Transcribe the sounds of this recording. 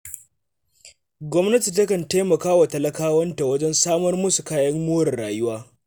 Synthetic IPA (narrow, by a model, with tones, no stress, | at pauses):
ɡʷɔ˦mnɐ˦ti˨tɐ˦kɐ˨nteː˦mɐ˨kaː˦wa˨tɐ˨lɐ˦kaː˦wɐ˦nta˨wɐ˦d͡ʒɛ˦nsaː˦mɐ˦rmʊ˦su˨kaː˦jɐ˦ŋːʊː˦ɾɐ˨rɽaː˨jʊ˦waː˦